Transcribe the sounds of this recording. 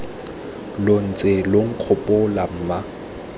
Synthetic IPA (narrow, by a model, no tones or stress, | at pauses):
lon̩t͡sʼeloŋ̩q͡χʰʊpʼʊlam̩ːma